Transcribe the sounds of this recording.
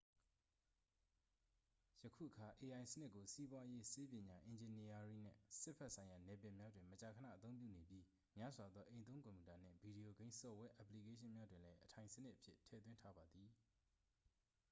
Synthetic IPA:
jəkʰṵ˦˨ʔəkʰa˨ʔe˨ʔã˨ɪ̃sənɪ˦ʔkːo˨si˦bwa˦je˦se˦pjɪ̃˨ɲa˨ʔɪ̃˨ɲd͡ʑɪ̃˨ni˦a˨ɹi˦˨n̥ɪ̰̃˦˨sɪ˦pʰɛ˦ʔsʰã˨ja˨nɛ˨pɪ̃˨mja˦dwɪ̃˨mət͡ɕa˨kʰə˨na̰˦˨ʔət̪θõ˦ʊ̃mp̬jṵ˦˨ne˨bji˦ | mja˦zwa˨d̪ðɔ˦ʔẽ˨ɪ̃nt̪̬õ˦ŋk̬õ˨mju˨ta˨n̥ɪ̰̃˦˨bi˨ɾi˨o˨ɡẽ˦ɪ̃nsɔ˨wɛ˦ʔa˨pli˨ke˦ʃ̬ɪ̃˦mja˦dwɪ̃˨lɛ˦ʔətʰã˨ɪ̃sə˦nɪ˦ʔəpʰjɪ̰˦tʰɛ̰˦˨t̪wɪ̃˦ntʰa˦ba˨d̪ði˨

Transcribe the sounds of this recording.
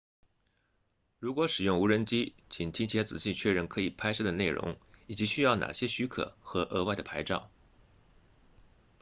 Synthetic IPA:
ɻu˧˥kwɔ˧˥ʂɻ̩˨˩jʊ˥˩ŋu˧˥ɻə˧˥nt͡ɕi˥t͡ɕʰi˨˩nt̪ʰi˥ŋt͡ɕʰjɛ˧˥t͡sɹ̩˨˩ɕi˥˧t͡ɕʰɥɛ˥˧ɻə˥˩nkʰɤ˧˥i˨˩pʰa˥ɪʂɤ˥˧˩d̪ə˩ne˥˩ɪɻʔʊ̰˧˥ŋi˨˩t͡ɕi˧˥ɕy˥jɑ˥˩ʊna̰˨˩ɕjɛ˥ɕy˧˥kʰɤ̰˨˩˦xɤ˧˥ʔɤ˧˥˧wa˥˩ɪd̪ə˩pʰa˧˥ɪʈ͡ʂɑ̰˥˩ʊ

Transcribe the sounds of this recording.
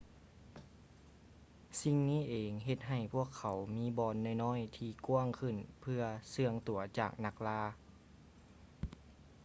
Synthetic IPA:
si˧ŋniː˥˩˨ʔeː˨ŋɦe˧t̪̚ɦa˨˩jpʰu˥˩əkʰːa˨˦wmiː˧˥bɔː˧nːa˧˩jnɔː˧˥˨jt̪ʰiː˧ku˧˥əŋkʰɯ˧˩npʰɯ˧ɐsɯ˧əŋt̪u˨˩˦ɐt͡ɕa̰ː˨˩k̚na˧k̚laː˧˥

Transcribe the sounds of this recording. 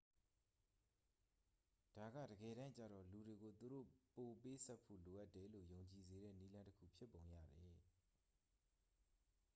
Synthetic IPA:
d̥a˨ɡä̰˦˨də˨ɡɛ˨ɾã˦t͡ɕä̰˨dɔ̰˦˨lu˨ɾe˨ɡo˨t̪u˨ɾo̰˦˨po˨pe˦sa˦pʰo̰˦˨lo˨ʔa˦tːɛ˨lo̰˦˨jõ˨ʊ̃ɲt͡ɕi˨ze˨ɾɛ̰˦˨ni˦lã˦ntə˦kʰṵ˦˨pʰjɪ˦pːõ˨ʊ̃jä̰˦˨d̪ɛ˨

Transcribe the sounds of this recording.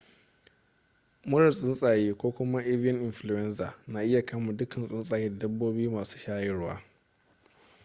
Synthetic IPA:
mʊ˦ɾɐ˨sʼɪ˦nsʼaː˨jeː˦kʷoː˦kʷʊ˦ma˦ʔe˦vɪ˦ɐ˦nʔɪ˨nɸlu˨jɛ˦nsaː˨naː˨ʔɪ˦ja˨kʰɐ˦mu˨dʊ˦kʰɐ˨nsʼɪ˦nsʼaː˨jeː˦da˨dɐ˦bːoː˦bjuː˦maː˨su̥ː˦ʃaː˦jɪ˦ɽwa̰ː˦

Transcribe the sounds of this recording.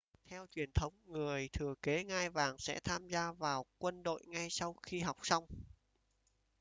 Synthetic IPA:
t̪ʰɛ˧wt͡ɕwi˨˩ənt̪ʰə˨˦wŋ͡mŋɨ˨˩əjt̪ʰɨ˨˩əke˨˦ŋaː˧jvaː˨˩ŋsɛ̰˧˥t̪ʰaː˧mzaː˧vaː˨˩wkwə˧nɗo̰˧˨jŋa˧jsa˧wxi˧ɦa˨˩wk͡p̚sa˧wŋ͡m

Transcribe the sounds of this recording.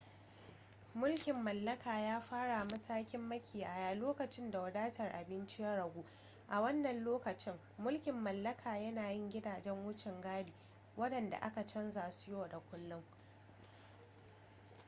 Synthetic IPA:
mʊ˦lkʲɪ˨mːɐ˨lːɐ˦kaː˨jaː˦ɸaː˦ɽa˨mɐ˦taː˦kʲɪ˦mːɐ˦kʲɪː˨jaː˨jaː˨loː˦kɐ˨t͡ʃɪ˦nda˨wɐ˨daː˦tɐ˨rʔa˨bɪ˦nt͡ʃɪ˦jɐ˦ɽɐ˨ɡʷuː˦ | ʔa˨wɐ˦nːɐ˨nloː˦kɐ˨t͡ʃɪ˦ŋ | mʊ˦lkʲɪ˨mːɐ˨lːɐ˦kʰaː˨jɐ˦naː˨jɪ˦ŋɡʲɪ˦daː˨d͡ʒɛ˦ŋwʊ˦t͡ʃɪ˨ŋɡaː˦diː˨ | wʔɐ˦dɐ˨nda̰˨ʔa̰˦ka˨t͡ʃɐ˦nzaː˨su˦joː˨da˨kʷʊ˦lːʊ˦ŋ

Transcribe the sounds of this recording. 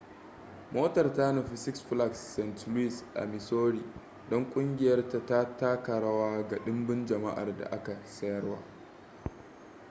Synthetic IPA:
moː˦tɐ˨rtaː˦no˨ɸɪ˨sɪ˦ksɸla˦˨ksːɛ˨ntli˦sʔa̰˨mɪ˨soː˦ɽiː˨ | dɔ˦ŋkʷʼʊ˦ŋɡʲɪ˨jɐ˦rta˨ta˦ta˦kɐ˨ɽa˦waː˦ɡa˨ɗɪ˦mbɪ˦nd͡ʒɐ˨ma̰˦ʔa̰˨rda̰˨ʔa˦ka˨sɐ˦jɐ˦rwa̰ː˦

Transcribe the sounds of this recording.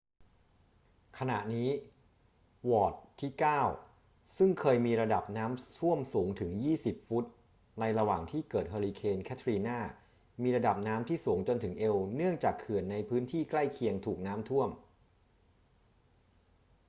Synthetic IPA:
kʰa˧na̰˨˩ʔniː˦˥ | wɔː˨˩t̪ʰːiː˥˩kaː˥˩w | sɯ˥˩ŋkʰɤː˧jmiː˧ɾa˧da˨˩p̚naː˦˥mt̪ʰu˥˩əmsuː˩˦ŋt̪ʰɯ˩˦ŋjiː˥˩si˨˩p̚fu˦˥t̪̚ | na˧jɾa˧waː˨˩ŋt̪ʰiː˥˩kɤː˨˩t̪̚ɦaː˧liː˧kʰeː˧nkʰɛ˦˥t̪ʰɾiː˧naː˥˩ | miː˧ɾa˧da˨˩p̚naː˦˥mt̪ʰiː˥˩suː˩˦ŋt͡ɕo˧nt̪ʰɯ˩˦ŋʔe˧wnɯ˥˩əŋt͡ɕaː˨˩kʰːɯ˨˩ənːa˧jpʰɯː˦˥nt̪ʰiː˥˩kla˥˩jkʰi˧əŋt̪ʰuː˨˩k̚naː˦˥mt̪ʰu˥˩əm

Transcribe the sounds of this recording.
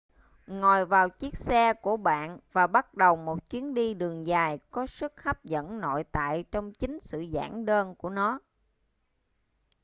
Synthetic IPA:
ŋɔ˨˩jvaː˨˩wt͡ɕi˦˥ək̚sɛ˧ku˧˩əɓa̰ː˧˨nvaː˨˩ɓa˦˥t̚ɗə˨˩wmo˨˩t̚t͡ɕwi˨˦ənɗi˧ɗɨ˨˩əŋzaː˨˩jkɔ˨˦sɨ˦˥k̚ha˦˥p̚zə̰˧˥nno̰˧˨jt̪a̰ː˧˨jt͡ɕɔ˧wŋ͡mt͡ɕï˨˦ŋ̟sɨ̰˧˨za̰ː˧˩ŋɗəː˧nku˧˩ənɔ˨˦

